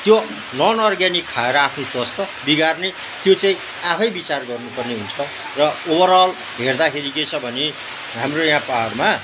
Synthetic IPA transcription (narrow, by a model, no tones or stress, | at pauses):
t̪jo | nʌnʌrɡjanikʰːaeɾʌapʰnoswast̪ʌ | biɡarne | t̪jot͡saĩ | apʰʌjbit͡sarɡʌrnupʌrneɦunt͡sʰʌ | rʌobʌɾʌl | ɦerd̪akʰeɾiket͡sʰʌbʱʌne | ɦamrojãpaʌrma